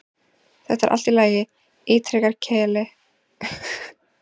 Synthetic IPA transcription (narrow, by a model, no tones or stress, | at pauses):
θɛht̪ːaɾʔa̰l̥t̪ɪlaːjɪ | ɪːt̪ʰɾɛkaɾ̥cʰɛːlɪ